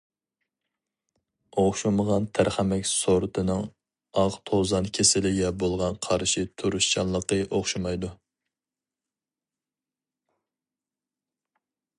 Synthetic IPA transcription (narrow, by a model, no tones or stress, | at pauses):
oχʃuməʁɑnt̪ʰæɾχæmɛkʲsoɾt̪ʰɨnɨŋ | ɑʁt̪ʰozɑnkʲʰesɪlɪɡʲɛbolˠʁɑnqʰɑɾʃit̪ʰuɾuʃt͡ʃɑlˠlˠəqəʔoχʃumɑjd̪u